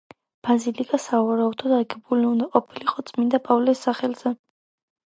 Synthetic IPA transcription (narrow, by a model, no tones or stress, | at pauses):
b̥azilikʼasauaɾaɔd̪ɔd̪aɾɡɛbuliund̪aqʼɔpʰiliqʼɔt̪sʼmind̪apʼavlɛsːaχɛlz̥ɛ